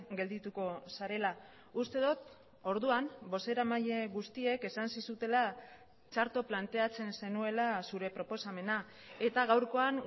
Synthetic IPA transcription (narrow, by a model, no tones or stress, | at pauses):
ɡe̞ld̪it̪uko̞saɾe̞la | ust̪e̞ðot̪ | o̞ɾðuambo̞se̞ɾamaʎe̞ɣust̪ie̞ke̞sansisut̪e̞la | t͡ʃaɾt̪o̞plant̪e̞at͡se̞nse̞nue̞lasuɾe̞pɾo̞po̞same̞na | e̞t̪aɣawɾko̞an